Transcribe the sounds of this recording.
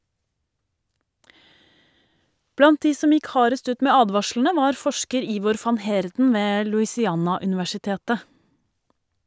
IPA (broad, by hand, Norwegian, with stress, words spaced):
ˈblɑnt ˈdiː ˈsɔm ˈjɪk ˈhɑːɾəst ˈʉːt ˈmeː ˈɑːdʋɑʃɭɳ̩ə ˈʋɑːɾ ˈfɔʃkəɾ ˈiːʋɔɾ ˈfɑn ˈheːɾdn̩ ˈʋeː lʉɪsɪˈɑːnɑʉnɪʋæʃɪˌteːtə